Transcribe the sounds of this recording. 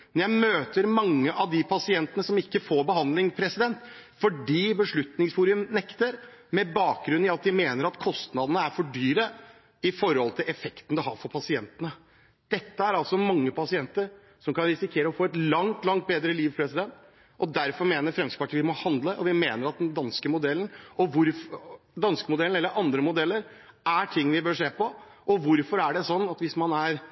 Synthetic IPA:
mɛnjæɪmøːt̪əɾmɑŋːəʔɑʋd̪ɪpʰɑsɪɛnt̪ənəsɔmɪkːəfoːɾbəɦɑnd̪lɪŋpʰɾɛsɪd̪ɛnt̪ | fɔɖiːbəʂɭʉt̪nɪŋsfuːɾɪʉmnɛkt̪əɾ | mɛbɑːk̚ɡɾʉnɪɑt̪̚d̪ɪmeːnəɾɑt̪kʰɔst̪nɑd̪ənəæɾfɔɖyːɾə | ɪfɔɾhɔlt̪ʰɪlʔɛfɛkt̪ən̩d̪ɛɦhɑɾfɔɾpʰɑsɪɛnt̪ənə | d̪̥ɛt̪ːəæɾɑlsɔmɑŋːəpɑsɪɛnt̪əɾ | sɔmkɑnɾɪsɪkʰeːɾəɔfoːɛt̪lɑŋt̪lɑŋt̪̚beːd̪ɾəliːʋpʰɾɛsɪd̪ɛnt̪ | ʔɔd̪æɾfɔɾmeːnəɾfɾɛmspɑʈʰiɪmɔhɑnd̪ləʔɔʋɪmeːnəɾɑt̪̚d̪ɛnd̪ɑnskəmʊd̪ɛlən̩ɔʋʊɾf | d̪ɑnskəmʊd̪ɛln̩ɛlːəɾʔɑnd̪ɾəmʊd̪ɛlːəɾ | æʈʰɪŋːʋɪbøːʂeːpɔʔɔʋʊɾfɔɾæɖɛsɔnːɑt̪ʋɪsmɑnæɾ

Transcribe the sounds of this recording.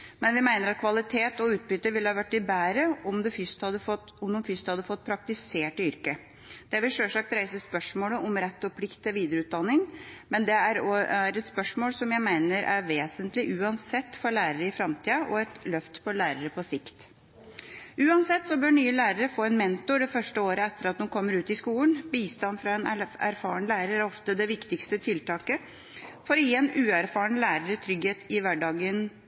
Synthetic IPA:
mɛnʋɪmæɪnəɾɑt̪̚kʰʋɑlɪt̪ʰeːt̪ɔʉːt̪̚bʏt̪ːəʋɪlhɑːʋæʈːɪbæːɾəɔmd̪ɛfʏst̪hɑd̪ə | ɔmd̪ɔmfʏst̪hɑd̪ːəfɔt̪ːpʰɾɑk̚t̪ɪseːʈɪʏɾkə | d̪̥ɛʋɪlʂœʂɑk̚t̪ɾæɪsəspœʂmoːləʔɔmɾɛt̪ːɔpʰlɪkt̪ɛʋiːd̪əɾəʉːt̪̚d̪ɑnːɪŋmɛnd̪ɛæɾɔæɾɛt̪spœʂmoːlsɔmjæɪmæɪnəɾʔæ̰ɾʋeːsənt̪lɪʔʉːɑnsɛt̪ːfɔɾlæːɾəɾəɪfɾɑmt̪ʰiːɑʔɔɛt̪lœft̪pʰɔlæːɾəɾəpʰɔsɪkt̪ | ʉːɑnsɛt̪ːsɔbøːɾɳyːəlæːɾəɾəfoːɛnmɛnt̪ʊɖɛfœʂʈəoːɾəɛt̪ːəɾɑt̪nunkʰɔmːəɾʉːt̪ɪskuːlənbiːst̪ɑnfɾɑɛnæ̰ɾfɑːɳəlæːɾəɾæɾɔft̪əd̪ɛʋɪkt̪ɪkst̪ət̪ʰɪlt̪ɑːkə | fɔɾjːɛnʉːæɾfɑːɳəlæːɾəɾət̪ʰɾʏɡheːt̪ɪʋæɖɑːɡən

